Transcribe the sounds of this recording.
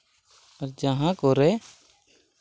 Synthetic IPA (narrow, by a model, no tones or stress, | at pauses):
ɐɾd͡ʒaɦãkoɾɛ